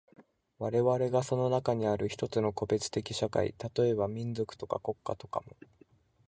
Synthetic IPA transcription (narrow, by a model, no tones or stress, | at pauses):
βaɾe̞βaɾe̞ɡaso̞no̞nakaɲ̟iaɾɯ̟çi̥t̪o̞t͡sɨno̞ko̞be̞t͡sɨ̥t̪e̞kʲiɕaka̰ḭt̪at̪o̞e̞bamʲĩnd͡zo̞kɯ̟̥t̪o̞ka̰ko̞kːat̪o̞ka̰mo̞